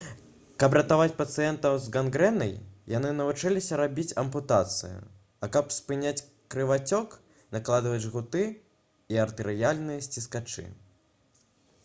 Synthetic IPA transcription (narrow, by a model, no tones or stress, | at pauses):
kɐp̬ɾɐt̪avat͡sʲpɐt̪sɨjɛnt̪ɐwzɡanɡɾɛnɐ̰jjanɨnɐvut͡ʂɛlʲisʲɐɾabʲit͡sʲɐmput̪at̪sɨ̰jṵ | ɐkɐpspɨnʲat͡sʲ | kɾɨvat͡sʲɔk | naklˠad̪ɨvɐd͡zʲɣut̪ɨ | iɐrt̪ɨɾɨjalʲnɨjɐsʲt͡sʲiskat͡ʂɨ̰